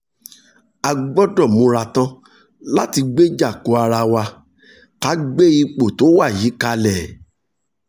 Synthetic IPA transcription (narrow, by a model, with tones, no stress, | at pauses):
a˧ɡ͡bɔ˦dɔ̃˦˨mũ˧ɾa˧tã˦ | la˦ti˧ɡ͡be˦d͡ʒa˦˨ko˨˦a˧ɾa˧wa˧ | ka˨˦ɡ͡be˦i˧k͡po˨to˨˦wa˦˨ji˨˦ka˧lɛ˦˨